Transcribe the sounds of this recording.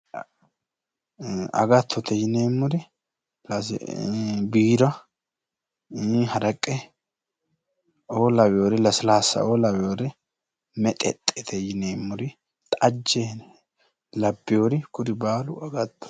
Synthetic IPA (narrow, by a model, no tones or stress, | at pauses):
ɐ̰ɡɐt̪ʰːɔt̪ʰɛjɪneːmːʊɾɪ | lɐsbiːɾɐ | hɐɾɐkʼːɛ | oːlɐwjoːɾɛlɐsɪlaːsːɐ̰oːlɐwɛjoːɾɪ | mɛt̪ʼɛ̰t̪ʼːɛt̪ʰɛjɪneːmːʊɾɪ | t̪ʼɐd͡ʒːe | lɐbːɪjoɾɪkʊɾɪbaːlʊɐɡɐt̪ːɔ̥